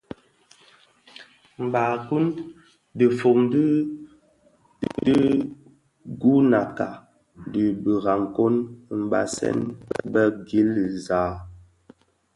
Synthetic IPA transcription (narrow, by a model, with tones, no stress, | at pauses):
m̩˨ba˨ku˦n | də˨fo˨ŋdi˦ | di˦ | ɡu˦na˨ka˨ | də˨bə˨ɣa˨ŋ˨ko˦n˨m̩˨ba̰˨sɛ̰˦npɛ̰˦bə˦ɡi˦lza˨˦